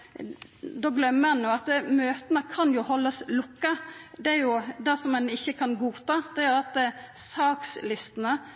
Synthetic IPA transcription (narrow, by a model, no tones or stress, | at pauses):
d̪oːɡlœmːəɛnjoːɑt̪møːt̪ənəkʰɑnjʊhɔlːəslʊkːəd̪ɛæɾjʊd̪ɛsɔmɛnɪçːəkʰɑnɡuːt̪ɑːd̪ɛæjʉʊɾɑt̪sɑːkslɪst̪ənə